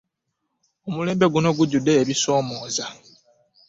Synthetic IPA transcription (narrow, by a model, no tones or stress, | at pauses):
omule̞ːmbe̞ɡuno̞ɡuɟudːe̞ːβiso̞ːmo̞ːza